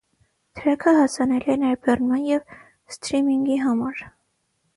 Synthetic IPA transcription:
t̪ʰəɾɛkʰəɦɑsɑnɛliɛnɛɾbɛrnmɑnjɛv | st̪ɾimiŋɡiɦɑmɑɾ

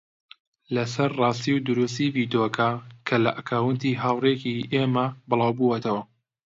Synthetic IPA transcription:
lɐsɐɾrɑːst̪iwd̪ʊɾust̪iviːd̪okʰakʰɐlɐʔɐkʰaːwɨnt̪iɦaːwrekiʔemɐbɨlˠɑːwbuwɐt̪ʰɐwɐ

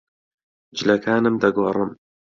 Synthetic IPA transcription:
d͡ʒɪlɐkʰaːnɨmd̪ɐɡorɨm

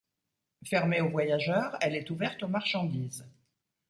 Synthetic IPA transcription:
fɛʁmeovwajaʒœːʁɛlɛt̪uvɛʁt̪omaʁʃɑ̃d̪iːz

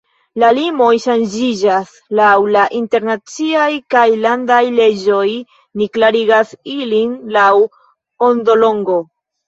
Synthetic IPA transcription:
lalimo̞jʃand͡ʒid͡ʒas | lawlaʔinte̞ɾnat͡siajkajlandajle̞d͡ʒo̞j | niklaɾiɡasilinlaw | ondo̞lo̞ŋɡo̞

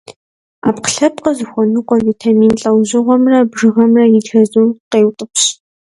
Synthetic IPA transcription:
a̰ːpqə̥ɬɐpqəzɨxʷɔnɨqʷʼɔvitʰamiːnɬʼɐwʑɨʁʷɔmrɐbʒɨʁɐmrɐjɪdxɐzuqeːwtʼɨpʰɕ

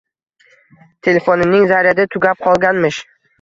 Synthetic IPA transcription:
t̪ʰe̞lefonɪnɪŋzaɾad̪ɪt̪ʰʊɡʲap̚qʰɒlˠɡʲanmɪʃ

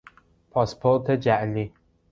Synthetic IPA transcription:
pʰɑspʰoɾt̪ʰed͡ʒæʔli

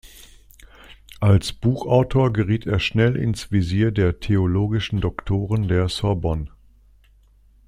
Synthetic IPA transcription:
ʔalsb̥uːxʔaʊtʰoːɐɡəʁiːteːɐʃnɛlʔɪ̰nsv̥iziːɐdeːɐtʰeoloːɡɪʃn̩dɔktʰoːʁ̞əndeːɐsɔɐbɔn

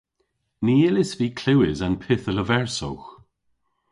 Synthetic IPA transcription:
niːɪlɪsviːkʰlɪwɪzanpʰɪθələvɛɹso̰wx

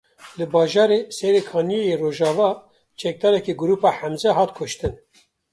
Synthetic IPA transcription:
lɨbɑːʒɑːɾeːsɛɾekʰhɑːnijejeroːʒɑːvɑː | t͡ʃʰɛk̚d̪ɑːɾɛkiɡʊɾuːpɑːħæmzɛɦɑːt̪kʰʊʃt̪ɨn

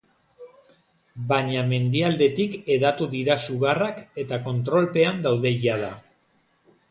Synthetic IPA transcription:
baɲame̞nd̪iald̪e̞t̪ike̞ðat̪uðiɾasuɣarake̞t̪ako̞nt̪ɾo̞lpe̞and̪awðe̞ʝað̞a

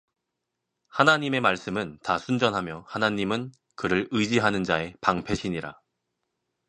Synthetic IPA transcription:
hanaɲime̞maɭs͈ɯmɯntasʰund͡ʑʌnɦamjʌhanaɲimɯn | kɯɾɯɭɯd͡ʑiɦanɯnd͡ʑae̞paŋpʰe̞ɕʰiɲiɾa̰

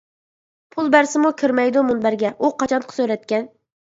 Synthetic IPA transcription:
pʰulˠbæɾsɪmukʲʰøɾmɛjd̪umunbæɾɡʲɛʔuqʰɑt͡ʃʰɑnqʰə̥søɾɛt̪̚kʲɛn

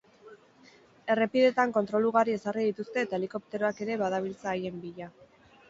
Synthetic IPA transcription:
e̞re̞piðe̞t̪aŋko̞nt̪ɾo̞luɣaɾie̞sariðit̪ust̪e̞ːt̪aeliko̞p̚t̪e̞ɾoake̞ɾe̞βaðaβ̞ilt͡saːje̞mbiʎa

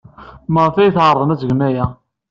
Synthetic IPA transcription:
məʁfæjθʁəɾˤðˤənæzəɡnæjæ

